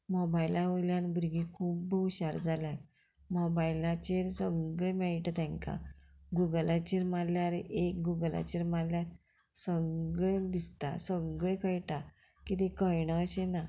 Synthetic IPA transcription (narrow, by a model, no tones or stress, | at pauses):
mɔbajlaʋoljanbuɾɡikʰuːpbəwɕaɾd͡zalja | mɔbajlat͡ɕeɾsəɡɭẽmɛɭiʈət̪ɛ̃ŋka̰ɡuɡlat͡ɕeɾmaljaɾeʔek̚ɡuɡəla̰t͡ɕeɾmaljat̪̚ | səɡɭẽd̪ist̪a̰səɡɭẽkʰəjʈa | kit̪ekəjɳəːɕena